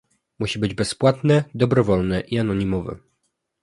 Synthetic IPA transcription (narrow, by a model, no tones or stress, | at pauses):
muɕibɘd͡ʑbɛspwat̪nɛd̪ɔbɾɔvɔlnɛʔianɔɲimɔvɛ̰